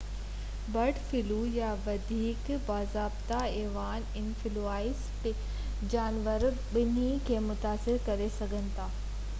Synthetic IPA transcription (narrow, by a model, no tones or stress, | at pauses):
bɐɖfɪlujaʋɐd̪ʱiːkbaːzaːbt̪aeːʋaːnɪnfɪluaːɪstɪ | d͡ʑaːnʋəɾ | bɪnikʰeːmʊt̪aːsɪɾkɐɾesɐɡʱənɪ̆t̪ʰaː